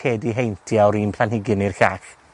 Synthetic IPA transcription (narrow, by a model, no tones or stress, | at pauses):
eːdiɦejntʰiawɾiːnpʰl̥ˠanhɪɡɪnirɬax